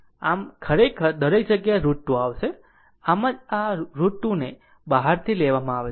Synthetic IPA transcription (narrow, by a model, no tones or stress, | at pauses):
amkʰəɾekʰəɾd̪əɾek̚d͡ʒəɡjaeɾuʈːuaʋʃe | aməd͡ʒaɾuʈːune | baɦaɾt̪ʰileʋamãaʋe